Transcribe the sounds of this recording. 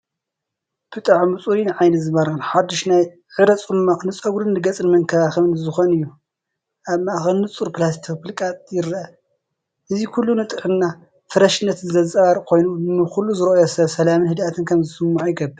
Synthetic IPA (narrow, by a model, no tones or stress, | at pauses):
b̥ɨt̪ʼaʕmɨt͡sʼuɾinʕajnɐtzɨβɐɾxɨnħad̪ːiʃnaj | ʕɨɾɐt͡sʼuɾɨmaʔxnɨt͡sʼɐɡuɾɨnːɨɡɐt͡sʼɨnmɐŋkʰɐβaxɨmɨnzɨxo̞nɨjːu | ʔaβmaʔxɨnːɨt͡sʼuɾplas̬t̪ʰikfɨlkʼat̪ʼjɪɾʔɐ | ʔɨzikʰulːunɨt̪ʼɨħɨnːa | fɨɾɐʃɨnːɐt̪nzɐt͡sʼɐβaɾkʰo̞jnunɨxulːuzɨɾɐʔojosɐβsɐlamɨnhɨd̪at̪ʰɨnkʰɐmzɨsɨmːuʕjiɡɐbɨɾ